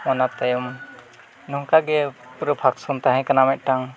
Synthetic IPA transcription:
mɔnat̪ajɔm | nɔŋkaɡɛpɾɔpʰaksɔnt̪aɦɛ̃kanamɛʔ̪̚ˀʈaŋ

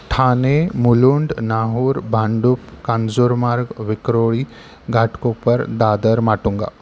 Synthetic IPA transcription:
ʈʰanemuluɳɖnaɦuːɾbʱãɳɖupkand͡zoɾmaɾɡʋikɾoɭi | ɡʱaʈʰkopəɾd̪ad̪əɾmaʈuŋɡa̰

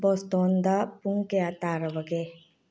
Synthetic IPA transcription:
bost̪oːnd̪apuŋkeat̪aːɾɐʋəɡe

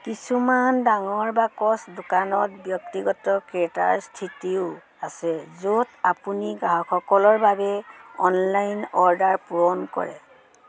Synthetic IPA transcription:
kisumandaŋɔɹbakɔsdokanɔtbjɔk̚tiɡɔtɔkɛta̰ɹstʰitiʊ | asɛzotapuniɡaɦɔkʰɔkɔlɔɹbabɛɔnlajnɔɹdaɹpuɹɔnkɔ̰ɹɛ̰

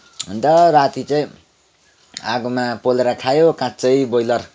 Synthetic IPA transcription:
ɦnd̪ʌɾat̪it͡sʌĩ | aɡumapoleɾakʰajokãt͡sʌĩbojlʌr

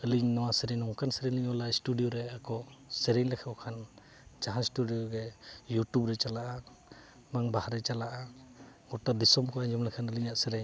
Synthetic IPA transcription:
əliɲnɔwasəɾɛɲɔŋkansəɾɛɲliɲɔlasʈuɖijɔɾɛakɔsɛɾɛɲlɛkʰɛbɔkʰan | d͡ʒaɦãsʈuɖijɔɡɛjuʈjubɾɛt͡ʃalaʔa | maŋbahaɾɛt͡ʃalaʔaɡɔʈad̪isɔmkɔaɲd͡ʒɔmlɛkʰanəliɲaʔsəɾɛɲ

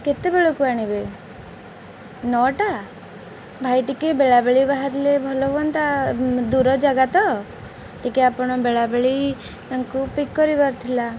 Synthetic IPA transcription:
ket̪ebeɭokuaɽ̃ibe | nɔʈa | bʱajʈikebeɭabeɭibaɦat̪lebʱɔlɔbɔnt̪ad̪uɾɔd͡ʒaɡat̪ɔ | ʈikeapɔɽ̃ɔbeɭabeɭi | t̪aŋkupikːɔɾibaɾt̪ʰila

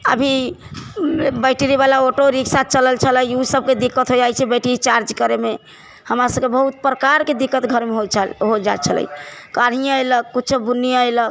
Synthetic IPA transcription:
ə̰bʱi | bɛʈeɾibalaoʈoɾiksat̪̚ʰt͡ʃələlt͡ʃʰələjusəb̚ʱked̪ikːət̪ɦod͡ʒajt͡ʃʰɛbɛʈiit͡ʃaɾd͡ʒkəɾeme | həmɾasəb̚kebəɦut̪̚pɾəkaɾked̪ikːət̪ɡʱəɾmeɦojt͡ʃʰəlɦod͡ʒa̰t͡ʃʰələ̰jkaɽ̤ijãejlək̚kutːt͡ʃʰəb̪unːijãeləɡ

